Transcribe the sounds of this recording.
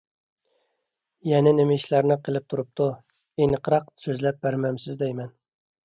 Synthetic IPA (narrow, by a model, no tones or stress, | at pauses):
jɛnɪnɪmɪiʃlæɾnɪqʰəlˠɪp̚t̪ʰuɾup̚t̪ʰu | enɨqʰəɾɑq̚søzlɛp̚bæɾmɛmsɪzd̪ɛjmɛn